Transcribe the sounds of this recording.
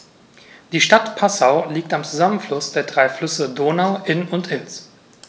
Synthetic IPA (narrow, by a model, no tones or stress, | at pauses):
d̥iːʃtatpʰasaʊliːk̚tamt͡suzamənflʊsd̥eːɐdʁaɪflʏsədoːnaʊʔɪnʊntɪls